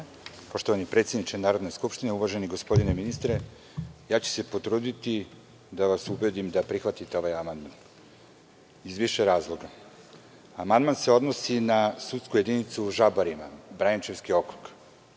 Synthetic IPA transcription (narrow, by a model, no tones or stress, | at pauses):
po̞ʃt̪oʋanipɾet̪sjed̪nit͡ʃenaːɾo̞d̪neskupʃt̪ineuʋaʒe̞niɡo̞spo̞d̪ineminist̪ɾe | jaːt͡ɕu̥se̞po̞t̪ɾuːd̪it̪i | d̪aʋasubed̪imd̪apɾixʋat̪it̪eo̞ʋajamand̪man | izʋiʃeɾaːzlˠo̞ɡa | amand̪manse̞o̞d̪no̞sinasut̪skuje̞d̪init̪suʒabaɾima̰bɾajent͡ʃe̞ʋskio̞kɾok